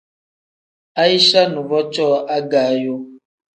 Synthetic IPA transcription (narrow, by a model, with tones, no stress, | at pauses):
a˦i˦ʃa˦nũ˨bɔ˦t͡ʃɔ˦ʔa˦ɡa˨˦jo˦